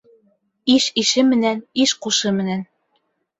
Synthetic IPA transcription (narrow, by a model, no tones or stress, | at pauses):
iʃiʃɘmɘ̆næniʃquʃɤmɘ̆næn